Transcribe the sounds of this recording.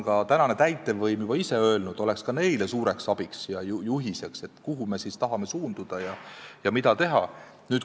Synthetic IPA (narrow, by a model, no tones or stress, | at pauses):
kɑt̪ænɑne̞t̪æjt̪ːˑe̞vɤjmjub̥ɑise̞ø̞elnud̪̥o̞le̞kskɑne̞jle̞suːɾe̞ksɑb̥iksjɑjujuɦise̞kse̞t̪ːˑkuɦume̞sist̪ɑɦɑme̞suːnd̪ud̪̥ɑjɑjɑmid̪ɑt̪e̞ɦɑ̰ | nyːt̪